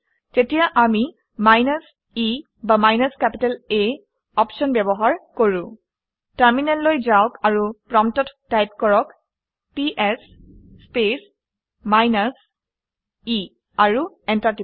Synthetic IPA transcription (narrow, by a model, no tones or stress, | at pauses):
tetijaʔami | majnas | i | bamajnaskɛpitale | ɔpʃɔnbɛbɔɦaɹkoɹũ | taɹminɛlːojzawkaɹupɹɔmtɔtːajp̚kɔɹɔk | piʔɛsː | pes | majnas | i | aɹu | ɛntati